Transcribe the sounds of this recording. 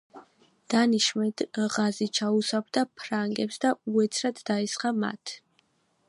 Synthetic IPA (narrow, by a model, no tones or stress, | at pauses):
d̪̥aniʃmɛd̪̥ʁazit͡ʃʰausabd̪apʰɾaŋɡɛpsd̪auɛt̪sʰɾad̪d̪aɛsχama̰t̪ʰ